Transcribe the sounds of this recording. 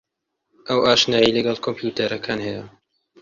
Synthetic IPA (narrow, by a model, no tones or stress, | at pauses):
ʔɐwaːʃnaːjilɐɡɐlˠkʰompjuːt̪ɐɾɐkʰaːnhɐjɐ